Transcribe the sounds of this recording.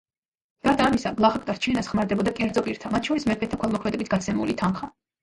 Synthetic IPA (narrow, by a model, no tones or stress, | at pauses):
ɡ̥aɾd̪aːmisaɡlˠaχak̚ʼd̪aɾt͡ʃʰinasχmaɾd̪ɛbɔd̪akʼɛɾd̪zɔpʼiɾt̪ʰamat̪ʰʃɔɾismɛɾpʰɛt̪t̪ʰːakʰwɛlˠmɔkʰmɛd̪ɛbit̪ʰɡ̥at̪sʰɛmṵlit̪ʰanχa